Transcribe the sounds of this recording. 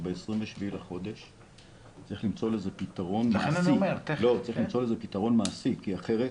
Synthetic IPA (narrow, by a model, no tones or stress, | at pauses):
beesʁimveʃivilaχo̞d̪e̞ʃ | t͡saʁiχlimt͡so̞leze̞pit̪aʁo̞nmanasiʁlo̞t͡saʁiχlimt͡so̞lezepitaʁo̞nmaːsikiaχe̞ʁe